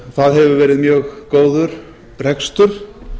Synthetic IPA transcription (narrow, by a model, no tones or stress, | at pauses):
θaðɦɛvʏvɛːɾɪðmjœːɣkoːwðʏɾ̥ | r̥ɛkst̪ʏɾ̥